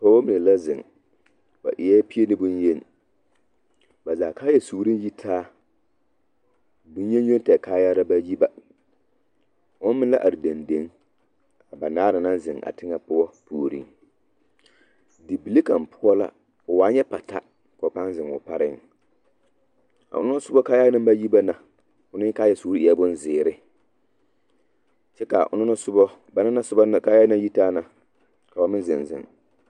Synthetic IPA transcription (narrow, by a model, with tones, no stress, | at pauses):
pɔ˦wo˦mi˨e˨la˦zɪ˨ŋ | ba̰˨ʔɪ˨˦ɛ˦pi˦e˦nɪ˦bʊ˦nje˦n˨ | ba˨zaː˨kaː˦jɛ˨suː˨ɾi˦n˦ji˦tʰaː˦ | dʊ˦n˦e˦n˦jo˦n˦tɛ˨kaː˦ja˦ɾa˦ba˦ji˦ba˨ | ʊ˦n˦mɪ˦nla˦ʔa˨ɾɪ˨da˨nde˨˦ŋ | a˨ba˨naː˦ɾa˨na˦zɪ˨ŋa̰˨tɪ˦ŋa˦pʊ˦ɔ˦pʰoː˨ɾḭ˦ŋ | dɪ˨bi˨li˦ka˨m˨pʰʊ˦ɔ˦la̰˦ | ʊ˨waː˨˦ɲɛ˦pa˨ta̰˦ | kɔ˨pa˦n˦zɪ˨ŋʊ̰˨pa˦ɾɪ˦˨ŋ | a̰˨ʔʊ˦nʊ˦ɔ˦sʊ˦bɔ˦kaː˦jaː˦a˦mba˦ji˦ba˦na˨ | ʊ˦nɪ˦kaː˦jɛ˦suː˦ɾi˦i˨a˦bʊ˦n˦zɪː˨ɾɪ˦ | t͡ʃɛ˦ka˨ʔʊ̰˨n˦sʊ˦bɔ˦ | ba˦na˦na˦sʊ˦ba˦˨ka˦ja˦na˦ji˦taː˦na˨ | ka˨a˨mɪ˦nzɪ˨nzɪ̰˨ŋ